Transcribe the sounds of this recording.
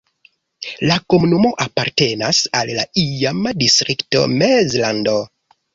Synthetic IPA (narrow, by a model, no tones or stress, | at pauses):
lakomunumo̞ʔapaɾte̞nasalːa̰ijamadistɾikto̞̰mezlando